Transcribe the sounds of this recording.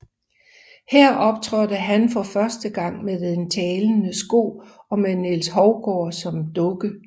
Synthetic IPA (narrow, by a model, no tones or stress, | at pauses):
hɛɐ̰ʔɒ̽b̥t͡sʰʁɶdəɦænfɒ̽fɶɐsd̥əɡ̥ɑ̈ŋ̰meðde̝nt͡sʰɛːln̩əsɡ̥o̝̰ː | ɒ̽menelsɦɒʊɡ̥ɒ̰ːsɒ̽md̥ɔ̽ɡ̥ə